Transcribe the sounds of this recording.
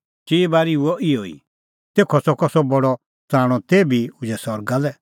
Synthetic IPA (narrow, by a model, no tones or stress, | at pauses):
t͡ʃeːbaːɾiuɔʔɪɔḭ | t̪eːkʰɔsɔkɔsɔbɔɽɔ | t͡sãːɽ̃ɔ̃t̪eːbʱiʊd͡ʒɛsɔɾɡalɛ